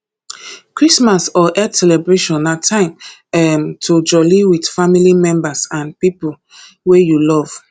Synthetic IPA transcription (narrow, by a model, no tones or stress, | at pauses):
kɹismasɔʔɛdsɛlɛbɹeʃɔ̃natʰãɪ̃mɛmtʰod͡ʒɔliwidfamilimɛ̃mbasãnpipu | wejulɔv̥